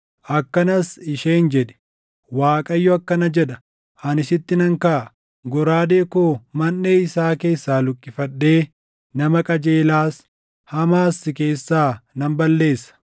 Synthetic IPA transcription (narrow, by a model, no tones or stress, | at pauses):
ʔɐkːɐnɐsɪʃeːnd͡ʒɛᶑɛ̥ | waːkʼɐjːɔɐkːɐnɐd͡ʒɛᶑɐ | ʔɐnɪsɪt̪ːɪnɐŋkaː | ɡɔɾaːd̪eːkoːmɐnːeːɪsaːke̞ːsːaːlʊkʼːɪfɐᶑːe̞ː | nɐmɐkʼɐd͡ʒe̞ːlaːs | hɐmaːsːɪke̞ːsːaːnɐmbɐlːe̞ːsːɐ̥